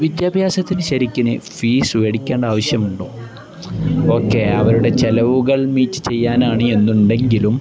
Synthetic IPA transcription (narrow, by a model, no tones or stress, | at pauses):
ʋid̪jaːbʱjaːsɐt̪ːinɨɕɐɾikʲːinɨfiːsʋeːɽikʲːeːɳɖaːʋɐɕjɐmuɳɖoː | o̞ːkːe̞ɐʋɐɾuɽe̞t͡ɕelɐʋuɣɐɭmiːt͡ɕːɨ̥t͡ɕe̞jːaːnaːɳɨe̞nːuɳɖe̞ŋɡilum